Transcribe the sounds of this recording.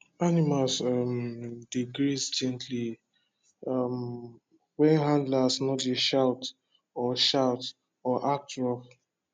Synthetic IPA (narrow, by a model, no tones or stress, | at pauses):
animalsamdiɡɾisd͡ʒɛ̃ntʰli | am | wɛ̃nɦãndlasnɔdeʃawt | ɔʃawt | ɔʔak̚tɹɔf